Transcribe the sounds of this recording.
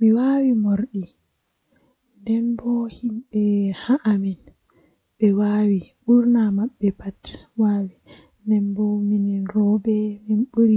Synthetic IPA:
miwaːwimoɾɗi | ndɛnbɔhimɓɛhaʔamin | ɓɛwaːwiɓuɾnamaɓːɛpatwaːwi | ndɛmbɔminiɾɔbɛminɓuɾi

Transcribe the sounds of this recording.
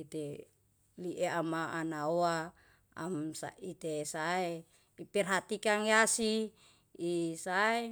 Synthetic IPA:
it̪e | liʔeamaʔanaoa | a̰msa̰it̪esae | ipɛrɦat̪ikaŋjasiː | sae

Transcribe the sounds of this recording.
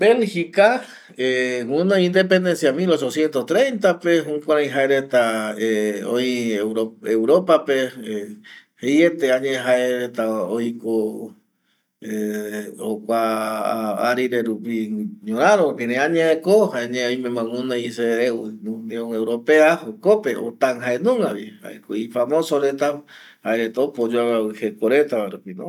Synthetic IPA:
belhika | ewũnãĩnd̪ep̬end̪ẽ̞nsjamilo̞t͡ʃosjent̪ost̪ɾẽjnt̪̬apeɦũkʷaɾãj̃ɦaeɾet̪aeõiɾoewɾopapeehejet̪eãɲẽɦaeɾet̪aojko | e | okʷa | aɾiɾeɾupiɲõɾãɾopiɾẽãɲẽekohaeɲẽojmẽmãŋunaiseenũd̪eoewɾo̞peahokope̞ʔo̰t̪aŋɦaenũŋɡaβiha̰ekoifamõsoɾet̪a | haeɾet̪aopod͡ʒoawaihekoɾet̪aaɾupino

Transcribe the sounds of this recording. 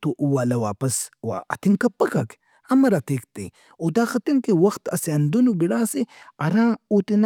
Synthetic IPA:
t̪oʔuwalɐwaːpɐswa̰ʔɐ̰t̪iŋkɐpːɐkɐk | ɐmɐɾat̪ikt̪ḭ | od̪axɐt̪iŋkewɐxt̪ɐseɐnd̪unubiɽaːseɐɾãːot̪in

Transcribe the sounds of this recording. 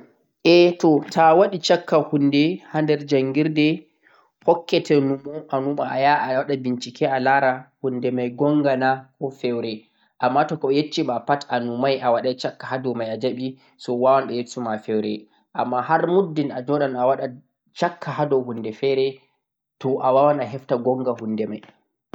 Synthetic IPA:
ʔɛtɔtʰawaɗit͡ʃakːahundɛhandɛɾd͡ʒaŋɡiɾdɛ | pɔkːɛtʰɛnumɔʔanumaajawaɗabint͡ʃikɛʔalaɾahundɛmajɡɔŋɡanakʰɔfɛwɾɛ | ʔamːatɔkɔjet͡ʃːimapatanumajʔawaɗat͡ʃakːahadɔmajad͡ʒaɓi | sɔwawanɗɛjesumafɛwɾɛ̰ | ʔamːahaɾmudːinad͡ʒɔɗanawaɗa | t͡ʃakʰːahadɔhundɛfɛɾɛ | tɔʔawawanaɦɛftaɡɔŋɡahundɛmaj

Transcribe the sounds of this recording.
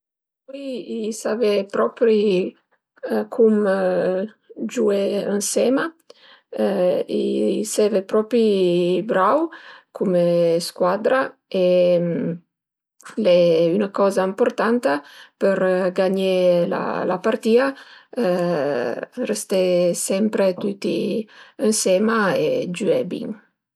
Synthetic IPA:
piisavepɾɔpɾi | kʰum | d͡ʒueənsɛma | ḭsɛvepɾɔpɾibɾawkʰumeskwad̪ɾae | lɛynakɔzaimpoɾt̪ant̪apəɾɡaɲela̰la̰part̪iːa | rest̪esɛmpɾet̪ut̪iənsɛmaed͡ʒyɛbḭŋ

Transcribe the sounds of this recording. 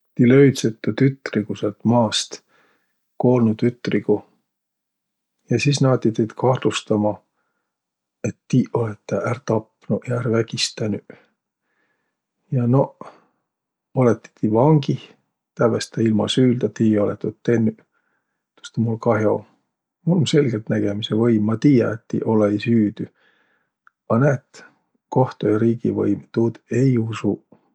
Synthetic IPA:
t̪iløɥt̪set̪ːˑut̪yt̪ːˑrikuselt̪mɑːst̪ | ko̞ːlnut̪yt̪ːriku | jɑsisnɑːt̪ːit̪ejt̪kʰɑhlust̪ɑmɑ | et̪ːiːʔo̞let̪ːeʔært̪ɑpːnuʔjɑæɾvæɡ̥ist̪ænyʔ | jɑno | olet̪ːi̥t̪ivɑŋɡi | t̪ævest̪æilmɑ̰syːld̪ɑt̪iːolet̪ːot̪ːenːy | t̪o̥st̪emulkɑɦeo̰ | mulonse̞lɡ̥elt̪næɡ̥emisevɤjmːɑt̪iːjɑet̪ːḭʔoleisyːd̪̥y | ɑnæt̪ | koht̪ojɑɾiːɡḭvɤ̰jmt̪ud̪ejusu

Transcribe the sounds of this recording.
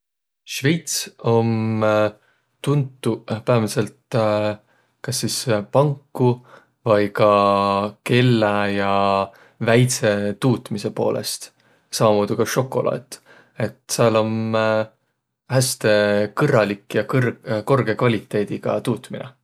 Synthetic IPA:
ʃve̞jt̪so̞m | t̪unt̪ːupæːvse̞lt̪ | kɑsːispɑŋkːu | vɑjkɑ | ke̞lːɑjɑ | væjt̪se̞t̪uːt̪ˑmise̞po̞̰ːlʔḛst̪ | sɑmɑmoːd̪̥ukɑʃo̞kːˑo̞̰lʔɑ̰ːt̪ːˑ | e̞t̪seɑlo̞m | hæst̪e̞kɤrɑlikːjɑkrko̞rɡ̥e̞kvɑlʲit̪ːˑe̞ːd̪̥iɡ̥ɑ̰t̪uːt̪minḛ

